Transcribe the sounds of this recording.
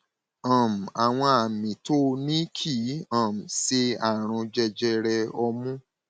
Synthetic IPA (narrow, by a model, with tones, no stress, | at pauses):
ã˨m̩˨a˨w̃ɔ̃˧a˨mĩ˨to˦˧nĩ˦kʰi˦ã˨m̩˨se˧a˦˨ɾ̃ũ˧d͡ʒɛ˧d͡ʒɛ˧ɾɛ˧ɔ˧mũ˦